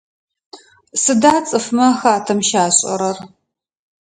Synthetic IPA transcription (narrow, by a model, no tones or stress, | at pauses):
sɨdaːt͡sʼɨfmɐxaːtʰɐmʃaːɕʼɐ̰ɾɐr